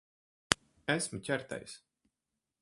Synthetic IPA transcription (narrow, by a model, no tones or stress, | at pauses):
æsmɨcʲæɾt̪ɛ̰js